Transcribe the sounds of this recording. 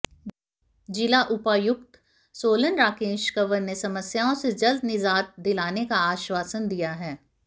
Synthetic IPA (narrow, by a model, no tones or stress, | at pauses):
d͡ʒɪlaʔʊpajʊkt̪ | soːlənɾaːkeːʃkəʋəɾnesɐməsjaːõsed͡ʒɐld̪nɪzaːt̪̚d̪ɪlaːnekaaːʃwaːsənd̪ijaɦɛː